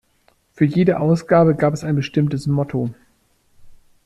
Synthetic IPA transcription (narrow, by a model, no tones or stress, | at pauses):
fyːɐjeːdəʔaʊsɡ̥aːbəɡaːpɛsaɪnbəʃtɪmtəsmɔtʰo